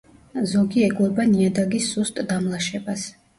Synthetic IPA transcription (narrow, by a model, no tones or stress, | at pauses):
zɔɡiɛɡlɔbaniad̪aɡisːust̪ʼd̪amlˠaʃɛbas